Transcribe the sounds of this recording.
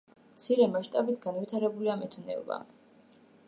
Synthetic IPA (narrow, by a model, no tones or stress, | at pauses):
mt̪sʰiɾɛmaʃt̪ʼabit̪ʰɡanvit̪ʰaɾɛbuliamɛt̪ʰunɛ̰va̰